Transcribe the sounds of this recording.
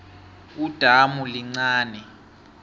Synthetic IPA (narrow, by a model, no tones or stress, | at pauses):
ud̥ʱamuliŋ͡ǀaːnɛ